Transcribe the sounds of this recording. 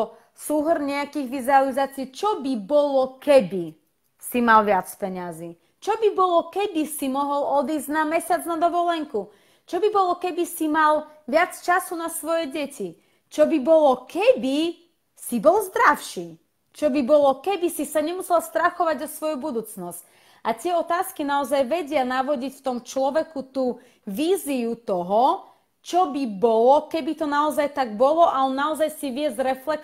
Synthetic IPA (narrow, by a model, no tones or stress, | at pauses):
suɦrɲɛakiːɣʋizualizaːt͡sɪiːt͡ʃɔbibɔlɔkɛbi | simalʋɪat͡spɛɲaziː | t͡ʃɔbibɔlɔkɛbisimɔɦɔlɔd̪iːzɟnamɛsɪad͡znad̪ɔʋɔlɛŋku | t͡ʃɔbibɔlɔkɛbisimal | ʋɪat͡st͡ʃasunasʋɔjɛɟɛci | t͡ʃɔbibɔlɔkɛbi | sibɔlzd̪ɾaʊʃi | t͡ʃɔbibɔlɔkɛbisisaɲɛmusɛlst̪ɾaxɔʋaɟɔsʋɔjubud̪uːt͡snɔsc | ʔat̪ɪɛɔt̪aːskinaɔzajʋɛɟɪanaʋɔɟicft̪ɔmt͡ʃlɔʋɛkut̪uː | ʋiːziut̪ɔɦɔ | t͡ʃɔbibɔlɔkɛbit̪ɔnaɔzajt̪aɡ̚bɔlɔʔalɛnaɔzajsiʋɪɛzɾɛflɛk